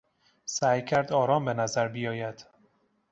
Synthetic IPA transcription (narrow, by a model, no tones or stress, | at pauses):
sæːjcʰæɾd̪ɒːɾɒːmbe̞næzæɾbijɒːjæd̪̥